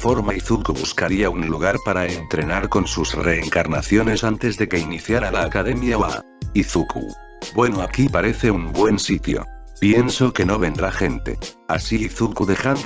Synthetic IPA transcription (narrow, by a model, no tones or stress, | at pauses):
fo̞ɾmaiθukuβuskaɾiaunluɣ̞aɾpaɾaent̪ɾe̞naɾko̞nsusre̞ːŋkaɾnaθjo̞ne̞sant̪e̞zðe̞ke̞iniθjaɾalaːkaðe̞mjaa̰ | iθukṵ | bwe̞noakipaɾe̞θe̞umbwe̞nsit̪jo̞̰ | pje̞nso̞ke̞no̞βẽ̞nd̪ɾaxe̞nt̪e̞̰a̰siːθukuðe̞xan